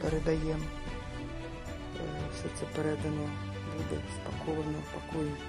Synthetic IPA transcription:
pɛɾɛd̪ajɛm | sʲɛt̪sɛpʲɛɾɛd̪ɐnɔ | bud̪ɛspakʰɔʋɐnɐpakɔjn

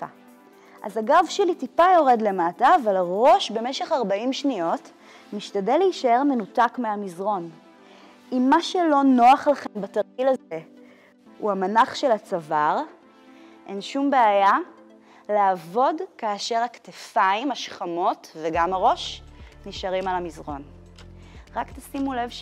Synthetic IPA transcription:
a̰ | ʔa̰zaɡavʃelitipajo̞ʁe̞dle̞mataːvalaʁo̞ʃbe̞meʃe̞χaʁbaimʃnio̞t | miʃtadeleiʃae̞ʁme̞nutakmeamizʁo̞n | imːaʃelo̞no̞aχlaχe̞mbatɐʁkilaze | uamanaχʃelat͡savaʁ | ʔenʃumbeaja | laːvo̞dkaːʃe̞ʁaktefaimaʃχamo̞tveɡamaʁo̞ʃniʃaʁimalamizʁo̞n | ʁaktasimulev

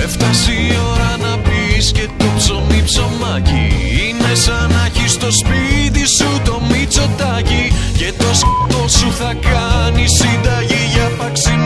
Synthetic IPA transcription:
e̞ft̪ɐsio̞ɾɐnɐpisce̞t̪opso̞mipso̞mɐcḭine̞sɐnɐçist̪o̞spit̪isut̪o̞mit͡so̞t̪ɐcice̞t̪ost̪osuxɐkɐnisind̪ɐʝiʝɐpɐksi

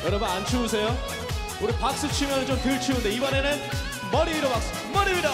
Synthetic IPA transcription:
jʌɾʌbunant͡ɕʰius̬ʰe̞jo | uɾipak̚s͈ɯt͡ɕʰimjʌnɯnt͡ɕomtɯɭt͡ɕʰiunde̞ibʌne̞nɯn | mʌɾiiɾʌbak̚s͈ɯ | mʌɾiida

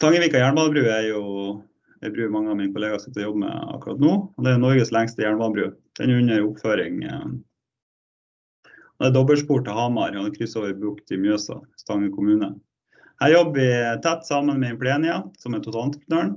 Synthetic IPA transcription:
t̪ʰɑŋːəʋiːkɑjæːɳbɑːnbɾʉːæɾjʊ | ɛ̰bɾʉːmɑŋːəɑʋmɪnkʰʊleːɡɑsɪ̥t̪ːɔjɔbːəmɛ̰ɑ̰kːɾɑ̰t̪nuːɔd̪ɛæɾjʊnɔɾɡəslæŋst̪əjæːɳbɑːnəbɾʉːd̪̥ɛ̰njʉɲːəɾʊpføːɾɪ̰ŋ | ɔd̪ɛːd̪ɔbəlʂpuːʈːɔhɑmɑɾɔɛkʰɾʏsːoːʋəɾbɾʉkt̪ɪmjøːsɑ̰st̪ɑŋːəkʰʊmʉːnə | hæːɾjɔbːəʋɪt̪ʰæt̪ːsɑːmənmɛɛnpʰɽeːnɪɑsɔmɛnt̪ʰʊt̪ɑlt̪pʰɾnøːɳ

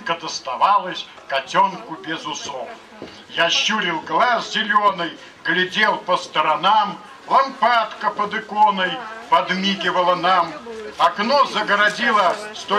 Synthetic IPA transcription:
kəd̪əst̪avalˠəsʲ | kɐtʲonkʊbʲɪzʊsof | jaɕːuɾʲɪlˠɡlˠaszʲɪlʲonɨj | ɡlʲɪdʲelˠpəst̪əɾɐnam | lˠɐmpat̪kəpəd̪ɪkɔnəjpɐd̪mʲiɡʲɪvəlˠənamɐknɔzəɡəɾadʲilˠəst̪o

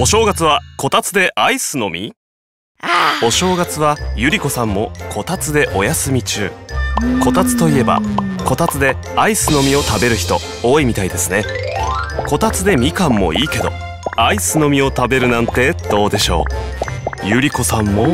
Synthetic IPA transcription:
o̞ɕo̞ːɡat͡sɨβ̞ako̞t̪at͡sɨd̪e̞ʔaisɨno̞mʲḭ | o̞ɕo̞ːɡat͡sɨβ̞ajɯ̟ɾʲiko̞sãmːo̞kʰo̞t̪at͡sɨd̪e̞ʔo̞jasɨmʲit͡ɕɨ̰ːko̞t̪at͡sɨ̥t̪o̞ie̞ba̰ko̞t̪at͡sɨd̪e̞ | aisɨno̞mʲio̞t̪abe̞ɾɯ̟çi̥t̪o̞ | oːimʲit̪aid̪e̞sɨne̞ | ko̞t̪at͡sɨd̪e̞mʲikãmːo̞̰ʔiːke̞d̪o̞̰ | aisɨno̞mʲio̞t̪abe̞ɾɯ̟nãnt̪e̞d̪̥o̞ːd̪e̞ɕo̞̰ː | jɯ̟ɾʲiko̞sãmːo̞

